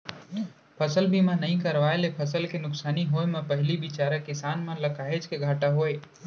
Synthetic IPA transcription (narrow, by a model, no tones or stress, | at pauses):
pʰəsəlbimãnəɦĩkəɾʋaːelepʰəsəlkenʊksaːniɦoːemẽpəɦɪlibɪt͡ʃaːɾəkɪsaːnmãləkaːɦed͡ʒkeɡʱaːʈaɦoːeː